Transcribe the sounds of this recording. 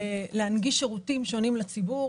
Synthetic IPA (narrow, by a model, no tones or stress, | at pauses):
leanɡiʃeʁutimʃo̞nimlat͡sibu